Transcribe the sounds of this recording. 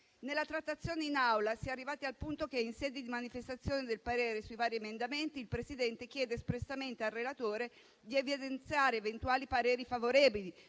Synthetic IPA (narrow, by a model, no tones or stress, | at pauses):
nelːat̪ɾat̪ːat̪sːjoːneinawlasiarːivaːt̪ialpunt̪okeinsɛːd̪id̪imanifest̪at̪sːjoːned̪elpaɾeːɾesuivaːɾiemend̪ament̪iːlpɾesid̪ɛnt̪ek̟jɛːd̪eːspɾesːament̪ealːelat̪oːɾe | d̪ievid̪ent̪sjaːɾeːvent̪uaːlipaɾɛːɾifavoɾɛːbili